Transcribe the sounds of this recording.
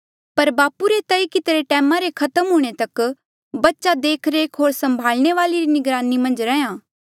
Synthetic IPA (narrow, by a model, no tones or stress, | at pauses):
pɐɾbaːpuɾet̪ɐikɪt̪ɾeʈɛːmãɾekʰɐt̪əmɦʊːɽ̃et̪ɐk | bɐtːʃad̪eːkʰɾeːkʰɦoːɾsɐ̃mbʱaːlñeʋaːliɾinɪɡɾaːnimɐ̃nd͡ʒɾɛːjãː